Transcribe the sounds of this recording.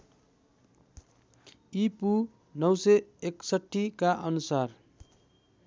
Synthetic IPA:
ipu | nʌwsʌeksʌʈːikaʔʌnusar

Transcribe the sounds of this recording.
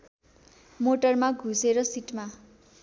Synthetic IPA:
moʈʌrmaɡʱuseɾʌsiʈma

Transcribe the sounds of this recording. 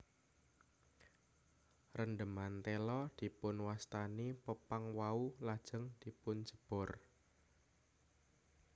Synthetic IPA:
rənd̪əmant̪elɔd̪̥i̤pʊnwast̪anipəpaŋwaulad̥ʒ̥əŋd̪̥i̤pʊn̥d͡ʒ̥əb̥ɔ̤r

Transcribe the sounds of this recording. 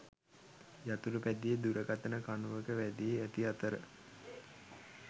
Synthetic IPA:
jat̪uɾəpæd̪ijəd̪uɾəɡat̪ənəkanuʋəkəʋæd̪ijeæt̪iat̪əɾə

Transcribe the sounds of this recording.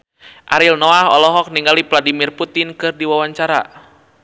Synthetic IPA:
ʔaɾilnɔaɦɔlɔɦɔk̚niŋɡalipladimirput̪ɪnkɨrdiwawaɲt͡ʃaɾa̰

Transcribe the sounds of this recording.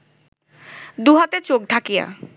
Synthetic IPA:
d̪uɦat̪et͡ɕok̚ɖʱakija̰

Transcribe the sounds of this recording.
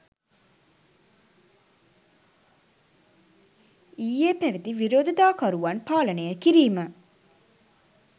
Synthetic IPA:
iːeːpæʋid̪iʋiɾoːd̪it̪aːkɐɾuʋɐnpaːlɐnejəkiɾiːmə

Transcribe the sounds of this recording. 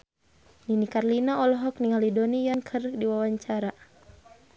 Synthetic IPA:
ninikarlinaɔlɔɦɔk̚niŋalidɔnijankʰərdiwawaɲt͡ʃaɾa

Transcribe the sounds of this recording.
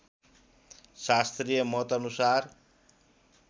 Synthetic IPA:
ʃast̪ɾijemɔt̪ɔnusaɾ

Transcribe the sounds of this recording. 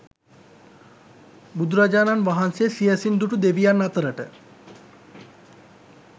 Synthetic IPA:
bud̪ɾad͡ʒaːnanʋaɦansesiesind̪uʈud̪eʋijanːat̪əɾəʈə̰

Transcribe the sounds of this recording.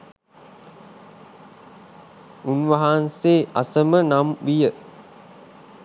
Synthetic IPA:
unʋəɦanseːʔasəmənamʋijə

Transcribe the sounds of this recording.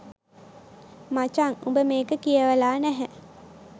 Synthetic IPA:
mat͡ʃaŋṵmbəmeːkəkijəʋəlaːnæɦæ

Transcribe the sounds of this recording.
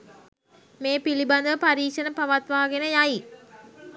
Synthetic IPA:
meːpiliband̪əʋəpaɾiːkʂənəpaʋat̪ʋaːɡenəjaji

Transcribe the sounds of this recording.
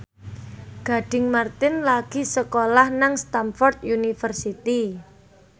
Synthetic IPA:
ɡ̥a̤ɖ̥ɪŋmart̪ɪnlaɡ̥i̤səkolahnaŋst̪amfɔrt̪junifərsit̪i

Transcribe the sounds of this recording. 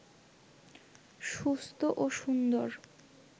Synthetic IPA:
ʃust̪ʰoʔoʃund̪oɾ

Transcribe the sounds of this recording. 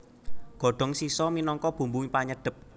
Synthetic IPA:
ɡ̥ɔ̤ɖ̥ɔ̤ŋsisɔminɔŋkɔb̥ṳmbuŋipaɲəɖ̥ə̤p̚

